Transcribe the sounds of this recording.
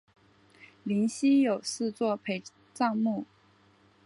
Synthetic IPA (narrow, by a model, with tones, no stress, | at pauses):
li˧˥nɕi˥jo˨˩ʊsɹ̩˥˧t͡swɔ˥˩pʰe˧˥ɪ | ʈ͡ʂɑ˥˧ŋmu˥˩